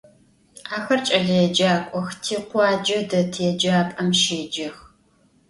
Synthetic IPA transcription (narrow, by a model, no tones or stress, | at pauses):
aːxɐrt͡ʃʼɐɮɐjɛd͡ʒaːkʷʼɔxtʰiːqʷɑːd͡ʒɐdɐtʰjɛd͡ʒaːpʼɐmʃeːd͡ʒɪx